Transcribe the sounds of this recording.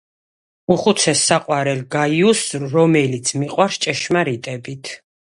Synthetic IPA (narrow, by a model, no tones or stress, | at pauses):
uχut̪sʰɛsːaqʼwaɾɛlɡajusːɔmɛlit̪sʰmiqʼwaɾst͡ʃʼɛʃmaɾit̪ʼɛbit̪ʰ